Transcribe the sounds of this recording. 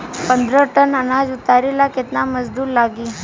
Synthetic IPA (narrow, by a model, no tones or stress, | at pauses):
pənd̪ɾəʈənənad͡zut̪aɾilaket̪naməzd̪uːɾlaɡiː